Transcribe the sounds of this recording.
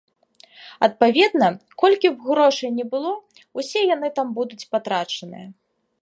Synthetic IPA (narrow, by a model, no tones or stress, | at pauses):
ɐt̪̚pavʲɛd̪nɐkɔlʲkʲiwɣɾɔʂɐjnʲɛbɨlˠɔ | usʲɛjanɨt̪ambud̪ut͡sʲpat̪ɾat͡ʂɐnɨ̰jɐ